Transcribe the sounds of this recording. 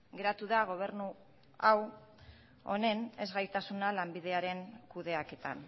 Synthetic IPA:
ɡe̞ɾat̪uðaɣ̞o̞β̞e̞ɾnu | aw | o̞̰ne̞ne̞zɣajt̪asunalambið̞e̞aɾe̞ŋkuðe̞ake̞t̪a̰n

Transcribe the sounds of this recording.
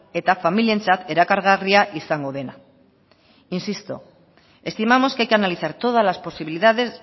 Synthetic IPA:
e̞t̪afamilie̞nt͡sat̪e̞ɾakaɾɣ̞ariaʔisaŋɡo̞ðe̞na | insist̪o̰ | e̞st̪imamo̞skeajkeanaliθaɾt̪o̞ð̞alaspo̞siβiliðaðe̞z

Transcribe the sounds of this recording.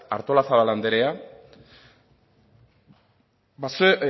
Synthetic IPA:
aɾt̪o̞lasaβaland̪eɾea | bas

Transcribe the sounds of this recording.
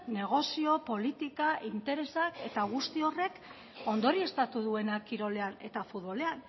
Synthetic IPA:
ne̞ɣ̞o̞sio̞po̞lit̪ikaʔint̪e̞ɾe̞sake̞t̪aɣ̞ust̪io̞re̞k | o̞nd̪o̞ɾie̞st̪at̪uðue̞nakiɾo̞le̞ane̞̰t̪afut̪βo̞le̞an

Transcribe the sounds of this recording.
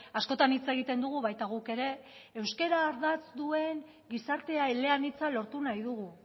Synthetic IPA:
asko̞t̪anit͡se̞ɣ̞it̪e̞nd̪uɣ̞uβajt̪aɣ̞uke̞ɾe̞ːwske̞ɾaːɾðat͡sd̪ue̞ŋ | ɡisaɾt̪e̞aeleanit͡salo̞ɾt̪unajð̞uɣ̞u

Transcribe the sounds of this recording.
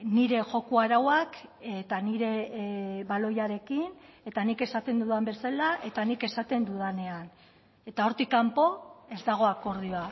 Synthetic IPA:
niɾe̞ʝo̞kuaɾawaket̪aniɾe̞βalo̞jaɾe̞kine̞t̪anike̞sat̪e̞nd̪uðambe̞salaʔe̞t̪anike̞sat̪e̞nd̪uðane̞an | e̞t̪ao̞ɾt̪ikampo̞e̞zd̪aɣ̞o̞ako̞ɾðioa

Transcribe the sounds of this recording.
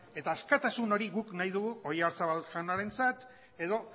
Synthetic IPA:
e̞t̪aːskat̪asuno̞ɾiɣuknajðuɣuo̞jaɾsaβalʃanaɾe̞nt͡sat̪ | e̞ðo̞

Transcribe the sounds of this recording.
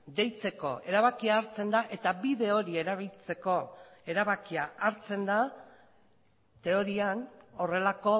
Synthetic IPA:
d̪e̞jt͡se̞ko̞̰ʔe̞ɾaβakiaːɾt͡se̞nd̪aʔe̞t̪abiðe̞o̞ɾie̞ɾaβilt͡se̞ko̞e̞ɾaβakiaaɾt͡se̞nd̪a | t̪e̞o̞ɾiano̞re̞lako̞

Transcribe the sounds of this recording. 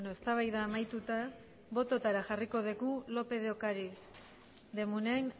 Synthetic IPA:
noest̪aβajðaːmajt̪ut̪a | βo̞t̪o̞t̪aɾaxariko̞ð̞eɣulo̞pe̞ðeo̞kaɾi | d̪e̞muneajn

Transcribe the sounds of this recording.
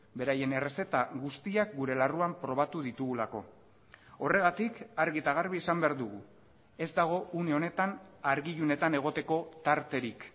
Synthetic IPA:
be̞ɾaje̞ne̞re̞se̞t̪aɣust̪iak̚ɡuɾe̞laruampɾo̞β̞at̪uðit̪uɣulako̞ | o̞re̞ɣat̪ikaɾɣit̪aɣ̞aɾβiesambe̞aɾd̪uɣu | e̞zd̪aɣ̞o̞une̞o̞ne̞t̪anaɾɣiʎune̞t̪ane̞ɣ̞o̞t̪e̞ko̞t̪aɾt̪e̞ɾik

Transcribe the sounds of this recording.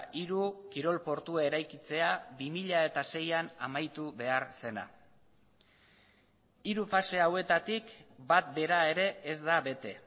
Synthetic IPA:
ʔiɾukiɾo̞lpo̞ɾt̪uae̞ɾajkit͡se̞abimiʎae̞t̪ase̞janamajt̪uβe̞aɾse̞na̰ | iɾufase̞awe̞t̪at̪ikbat̪̚be̞ɾae̞ɾe̞ːzd̪aβe̞t̪e̞

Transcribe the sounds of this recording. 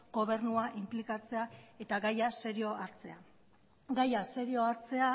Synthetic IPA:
ɡ̥o̞β̞e̞ɾnuaʔimplikat͡se̞ae̞t̪aɡajase̞ɾio̞aɾt͡se̞a | ɡajase̞ɾio̞aɾt͡se̞a

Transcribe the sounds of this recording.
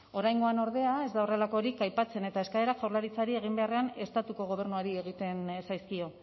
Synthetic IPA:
o̞ɾajŋɡo̞ano̞ɾðe̞ae̞zd̪ao̞re̞lako̞ɾikajpat͡se̞ne̞t̪ae̞skaeɾaʝawɾlaɾit͡saɾie̞ɣ̞imbe̞are̞ane̞st̪at̪uko̞ɣ̞o̞β̞e̞ɾnuaɾieɣ̞it̪e̞nsajskio̞

